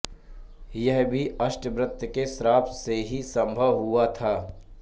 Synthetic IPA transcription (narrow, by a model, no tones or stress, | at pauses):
jɛɦbʱiɐʃʈbɾət̪ːjəkesɾaːp̪seɦisɐ̃mbʱəʋɦʊat̪ʰaː